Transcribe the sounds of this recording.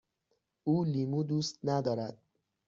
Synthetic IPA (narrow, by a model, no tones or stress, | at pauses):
uːliːmuːd̪uːst̪̚næd̪ɒːɾæd̪̥̚